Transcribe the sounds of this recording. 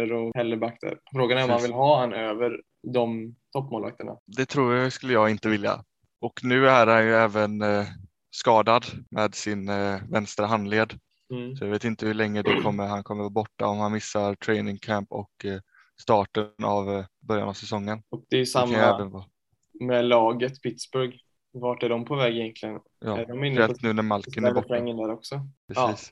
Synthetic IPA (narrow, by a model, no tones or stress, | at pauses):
əɾɔhɛlːəbakt̪ʰə̰ɾfɾoːɡanæɾɔmanvɪlɦɑːhanøːvəɾ | d̪ɔmt̪ʰɔpːmoːlva̰k̚t̪əɳa̰d̪ɛt̪ʰɾuːɾjaskɵlːəjɑːɡɪnt̪əvɪlja̰ | ɔknʉ̟ːæɾhanjɵɛːvən | skɑːd̪ad̪mɛːd̪sɪnvɛnst̪ɾaɦanleːd̪ | sɔjaveːt̪ɪnt̪əhɵɭɛŋːɾəd̪ɛkʰɔmːəɾɦankʰɔmːəɾvɑːbɔʈːa̰ɔmhanmɪsːaɾʈʰɾɛɪnɪŋkʰæmpɔ̰k | st̪ɑːʈənavbœɾja̰navsɛsɔŋːənɔk̚d̪ɛsamajɛːvənvɑː | mɛlɑːɡət̪pʰɪt̪sbɵɾɡ | vɑʈæɖɔmpʰɔvɛːɡɪjɛnk̪lɪɡən | jʔɑ̰ːæɖɔmɪnɛt̪ːnʉ̟ːnæɾmalkənæbɔɛŋːəd̪æɾɔksɔpʰɾɛsiːs